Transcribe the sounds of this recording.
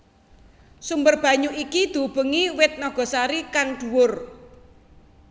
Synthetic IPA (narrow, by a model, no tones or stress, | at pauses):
sumbərb̥ä̤ɲuʔikid̪̥ṳb̥ə̤ŋiwɪt̪̚nɔɡ̥ɔ̤saɾikaŋɖ̪̥uwʊr